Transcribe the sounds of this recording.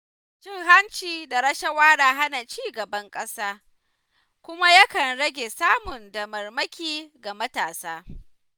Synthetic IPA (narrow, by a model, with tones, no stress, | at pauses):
t͡ʃɪ˦ŋɦa˦nt͡ʃiː˨da˨ɾɐ˦ʃɐ˦waː˦ɽaː˨ɦa˦na˨t͡ʃiː˦ɡɐ˨bɐ˦ŋkʼɐ˦saː˦ | kʷʊ˦ma˦ja˦kɐ˨nɽɐ˦ɡʲe˨saː˦mʊ˨ndɐ˨mɐ˨rmɐ˦kʲiː˦ɡa˨mɐ˦taː˨saː˦